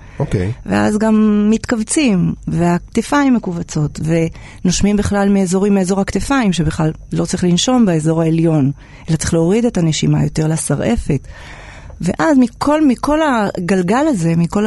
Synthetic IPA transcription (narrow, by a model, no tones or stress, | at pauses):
okḛjvḛʔa̰zɡamːit̪kavt͡simveakt̪efaimːekuvat͡so̞tve̞ | noʃmimbiχlalmeezo̞ʁimeezo̞ʁhakt̪efaimʃe̞biχlalːo̞tt͡saʁiχlinʃo̞mbeezoʁaeljo̞n | elat͡saʁiχleo̞ʁid̪etaneʃima̰jo̞te̞ʁlasaʁʔe̞fe̞t | veʔazmikʰo̞lmikʰo̞laɡalɡalaze̞miko̞l